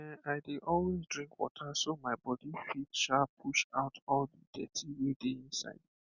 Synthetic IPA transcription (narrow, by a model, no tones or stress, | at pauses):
ɛaɪdeʔɔlwezdɹĩŋkwɔ̰tʰasomaɪbɔdifitʃapʰuʃaʊtʰɔldidɛ̰tʰiwedeĩnsa̰ɪd